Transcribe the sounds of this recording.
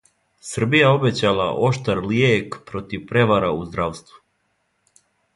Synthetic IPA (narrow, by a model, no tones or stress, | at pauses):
sr̩bijao̞bet͡ɕalˠa̰ʔo̞ʃt̪aɾljekpɾo̞t̪iʋpɾe̞ʋaɾauzd̪ɾaʋst̪ʋu̥